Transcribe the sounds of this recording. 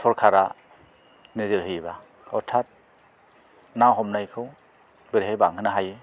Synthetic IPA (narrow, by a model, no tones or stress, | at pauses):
sʰɔɾkʰaɾa | nezɯɾɦɯjba | ɔtʰat̚ | nawɦɔmnajkʰɯw | bɯɾɦejbaŋɦɯnaɦajɯ